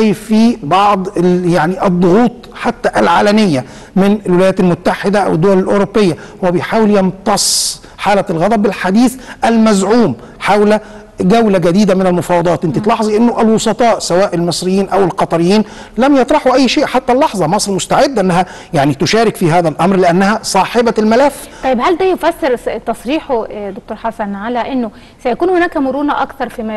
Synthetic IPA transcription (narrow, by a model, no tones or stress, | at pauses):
jfibɑʕd̪ˤjaʕniʔɑd̪ˤːoɣuːt̪ˤħat̪ːæʔælʕaːlæmɪjːæ | mɪnɪlwɪlæjæːt̪ælmʊt̪ːaħed̪æʔæ̰wɪd̪ːowælɪlʔoɾopːejːæ | hʊwːæbejħaːwɪljɑmt̪ɑsˤ | ħaːlælɣɑd̪ˤɑb̚ɪlħad̪iːθʔælmæzʕuːm | ħawlæ | ɡæwlæɡæd̪iːd̪æmɪnælmʊfɑːwɑd̪ˤɑːt̪ʔɪnt̪it̪lɑħzˤiʔɪnːoʔælwosˤɑt̪ˤɑːʔsæwæːʔɪlmesˤɾɪjːiːnʔæwɪlqɑt̪ˤɑɾɪjːiːn | læmjɑt̪ˤɾˤɑħuʔæjːʃeːʔħat̪ːælːɑħzˤɑmɑsˤɾmʊst̪aʕed̪ːʔɪnːæhæ | jaʕnit̪ʊʃæːɾɪkfiːɦæːðælʔɑmɾlɪʔænːæhæsˤɑːħebælmælæfːɑjːebhæld̪æːjofæsːeɾt̪ɑsˤɾiːħod̪ok̚t̪oːɾħasænʕalæʔɪnːo | sæjækuːnhʊnæːkæmʊɾuːnæʔɑkt̪ɑɾˤfiːmæ